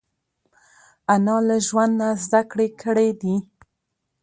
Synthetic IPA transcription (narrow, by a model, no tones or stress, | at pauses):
anɑlaʒwand̪nazd̪akɽekʰəɽed̪i